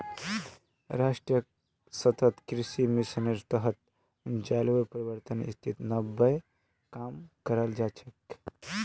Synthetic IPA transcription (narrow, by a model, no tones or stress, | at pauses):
ɾaːʂʈɾijə | sɐt̪ʰɐt̪kɾiʃimiʃənəɾt̪ɐɦɐt̪ | d͡ʒaːlʋɐɾpɾɐʋəɾt̪ənḭst̪ʰit̪nɐbːəj | kaːmkɐɾəld͡ʒaːt͡ʃʰɐk